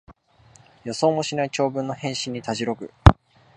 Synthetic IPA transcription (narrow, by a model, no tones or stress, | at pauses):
jo̞so̞ːmo̞ɕinait͡ɕo̞ːbɯ̟̃nːo̞hẽ̞ɰ̃ɕiɲ̟ːit̪aʑiɾo̞kɯ̟̰